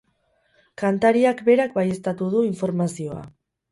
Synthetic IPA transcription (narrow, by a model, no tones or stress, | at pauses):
kant̪aɾiakbe̞ɾakbajest̪at̪uð̞uiɱfo̞ɾmasio̞a̰